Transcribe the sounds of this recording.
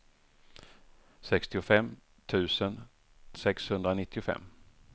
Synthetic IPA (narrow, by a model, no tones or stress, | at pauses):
sɛkst̪ɪʊfɛmː | t̪ʰʉ̟ːsən | sɛkshɵnd̪ɾanɪt̪ʰːɪʊfɛ̰mː